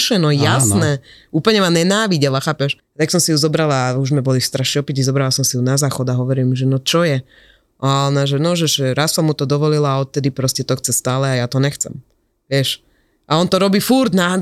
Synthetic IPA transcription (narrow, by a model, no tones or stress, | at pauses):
ʃɛnɔjasnɛ | uːpl̩ɲɛmanɛnaːʋiɟɛlaxaːpɛʃ | t̪aksɔmsijuzɔbɾalaːuzmɛbɔlist̪ɾaʃɛɔpɛcizɔbɾalasɔmsijunazaːxɔd̪aɦɔʋɔɾilmʒɛnɔt͡ʃɔjɛ | ʔanaʒɛnɔʒɛʒʒɛɾassɔmːut̪ɔd̪ɔʋɔlilaɔt̪̚t̪ɛd̪ipɾɔscɛt̪ɔxt͡sɛst̪aːlɛajat̪ɔɲɛxt͡sɛ̰m | ʋɪɛʃ | ʔaɔnt̪ɔɾɔbiːfuɾd̪nad̪